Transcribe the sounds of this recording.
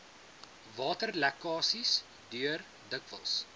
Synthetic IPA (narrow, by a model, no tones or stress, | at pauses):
vɑːtərlækɑːsis | dyər | dəkvə̰lˠs